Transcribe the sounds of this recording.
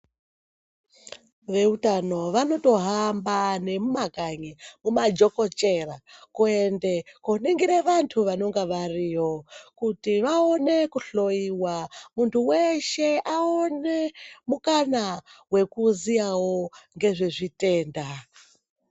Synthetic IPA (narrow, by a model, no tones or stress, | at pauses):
ʋe̞utano̞ʋano̞to̞ɦambane̞mumakaɲimumad͡ʒo̞ko̞t͡ʃe̞rakuendekoniŋɡiɾeʋantʰuʋano̞ŋɡaʋario̞kutiʋao̞ne̞kuɬo̞iwamuntʰuweʃe̞ʔaonemukanawe̞kuzijawoŋɡe̞ʐeʐite̞ːnda